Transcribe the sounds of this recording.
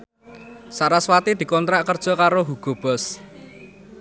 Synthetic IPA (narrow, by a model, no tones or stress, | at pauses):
saɾaswat̪id̪̥i̤kɔnt̪ɾaʔkərd̥ʒ̥ɔ̤kaɾoɦuɡ̥ɔ̤b̥ɔs